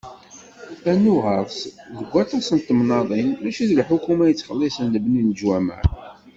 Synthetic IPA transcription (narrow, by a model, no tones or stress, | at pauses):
ænːuʁəɾˤsðəɡʷːæt̪æsənt̪ːəmnɑðˤinmæʃiðlħukːumæjət͡sːχəlːisənləbnind͡ʒwæmæ̰ɾ